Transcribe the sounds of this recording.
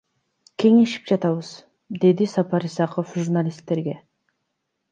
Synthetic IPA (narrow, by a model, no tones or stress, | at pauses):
kʲʰe̞ŋe̞ʃi̥p̚d͡ʒɑt̪ɑβəz | d̪e̞d̪isɑpɑɾisɑqofʒurnalʲist̪ːe̞ɾɡʲe̞